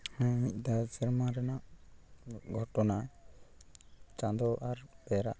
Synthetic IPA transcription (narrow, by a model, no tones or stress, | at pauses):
ãic̚d̪ad͡ʒəɾmaɾɛnaʔ | ɡʱɔʈɔna | t͡ʃãd̪ɔʔaɾb̥ɛɾa̰ʔ